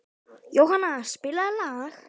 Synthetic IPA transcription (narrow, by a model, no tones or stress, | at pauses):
jowhanːaspɪlaðlaːx